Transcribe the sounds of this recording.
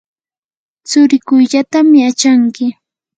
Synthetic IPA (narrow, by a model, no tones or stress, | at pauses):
t͡sʊɾɪkʊjʎat̪amɪat͡ʃaŋkɪ